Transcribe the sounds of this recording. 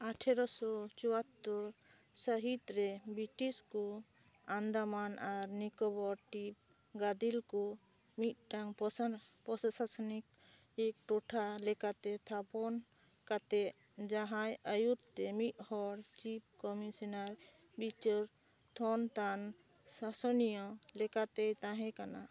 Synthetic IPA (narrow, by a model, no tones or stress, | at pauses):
aʈʰɛɾɔsɔt͡ʃɔwat̪ːɔɾ | səɦit̪ɾɛbiʈiskɔ | and̪amanʔaɾnikɔbɔɾʈip̚ | ɡad̪ilkɔ | mit̪̚ʈaŋppɔsasasnik̚ | ek̚ʈɔʈʰalɛkat̪ɛt̪ʰapɔn | kat̪ɛ | d͡ʒaɦajəjut̪̚t̪ɛmit̪̚hɔɾt͡ʃip̚ʰkɔmisɔnaɾ | bit͡ʃɔɾ | t̪ʰɔnt̪an | sasɔnijɔlɛkat̪ɛjt̪ãɦɛ̃kana